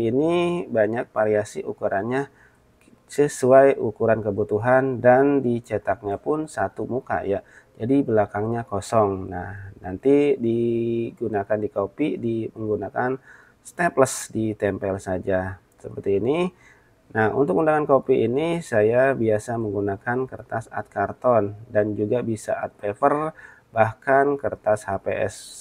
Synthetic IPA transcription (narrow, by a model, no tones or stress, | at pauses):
inibaɲak̚paɾiasiʔukuɾʔanɲa | səsuajukuɾankəbut̪uɦandandit͡ʃet̪ak̚ɲapʊnsat̪umuka̰ja | d͡ʒadibəlakaŋɲakosɔŋnahnant̪idiɡunakandikopidiməŋɡunakan | st̪ɛpləsdit̪ɛmpɛlsad͡ʒa | səpərt̪iːni | nahṵnt̪ʊk̚undaŋankopiʔːnisajabiasaməŋɡunakankərt̪asa̰t̪̚kart̪ɔndand͡ʒuɡabisa̰at̪̚pefər | bahkankərt̪ashapeʔɛ̰s